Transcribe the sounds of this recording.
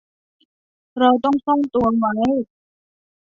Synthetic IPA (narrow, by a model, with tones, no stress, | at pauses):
ɾa˧wt̪ɔ˥˩ŋsɔ˥˩ŋt̪u˧ɐma˧˥j